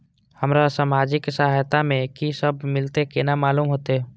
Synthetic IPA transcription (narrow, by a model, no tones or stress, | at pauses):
həmɾasamaːd͡ʒɪksəɦajt̪amẽkisəbʱmɪlt̪ekenamaːluːmɦoːt̪e